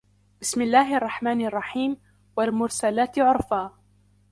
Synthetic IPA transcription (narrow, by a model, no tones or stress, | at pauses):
b̥ɪsmɪlːaːɦɪʔɑrˤːɑħmaːnɑrˤːɑħiːm | walmʊɾsalaːt̪ʕʊɾˤfaː